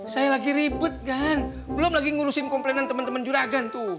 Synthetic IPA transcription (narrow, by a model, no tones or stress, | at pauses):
sajalaɡiɾibʊt̪̚kan | bəlʊmlaɡiŋuɾusɪnkɔmplenant̪əmənt̪əmənd͡ʒuɾaɡant̪u